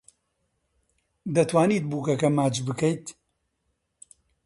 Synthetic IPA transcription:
d̪ɐt̪waːniːt̪̚buːkɐkɐmaːt͡ʃbɨkɐjt̪

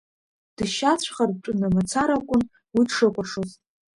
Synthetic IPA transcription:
d̥ɨʃat͡ɕʷʰχarʈ͡ʂʼʊnamat͡sʰaɾakʷʼʊn | widʂɨkʷʼaʂoz

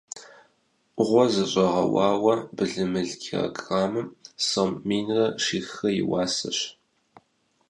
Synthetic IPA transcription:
ʔʷʁʷɔzɐɕʼɐʁɐ̰wɑːwɐbɨɮɨmɨɮɡʰʲir̰ɡʼraːmɨsomːiːnrɐʂiːxɐjɪ̰wɑːsɐ̰ɕ

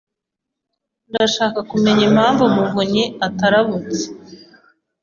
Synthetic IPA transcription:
ndaʃaːkakume̞ɲem̥haːɱvumuvuɲiataɾaβut͡se̥

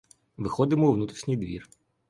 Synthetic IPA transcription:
ʋɪxɔd̪ɪmɔʋnut̪ɾʲiʃnʲijd̪ʋʲḭr

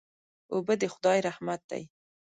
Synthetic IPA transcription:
obəd̪əxʊd̪ɑjɾahmat̪̚d̪̥a̰j

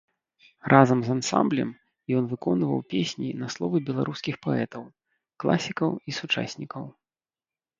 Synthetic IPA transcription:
rʔazɐmzansa̰mblʲɛ̰m | jɔn̪vɨkɔnvɐ̰wpʲesʲnʲinɐslˠɔvɨbʲɛlˠaɾʔuskʲixpɔɛt̪ɐw | klˠa̰sʲikɐwisut͡ʂa̰sʲnʲikɐw

